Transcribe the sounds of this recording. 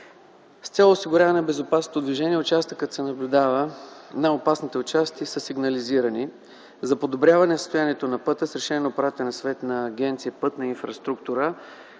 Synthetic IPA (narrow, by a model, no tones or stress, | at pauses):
st̪sʲɛlˠosiɡʊɾʲavɐnɛbɛzopasnot̪od̪viʒɛniɛʊt͡ʃast̪əkət̪sɛnɐblʲʊd̪avənaopasnit̪ɛʊt͡ʃast̪isəsiɡnɐliziɾəni | zɐpod̪obɾʲavɐnɛsəst̪ojaniɛt̪onɐpɤt̪əsɾɛʃɛnɛnopɾat̪ɛnɐsvɛt̪nɐːɡʲɛnt̪siəpɤt̪nɐinfɾɐst̪ɾukt̪uɾə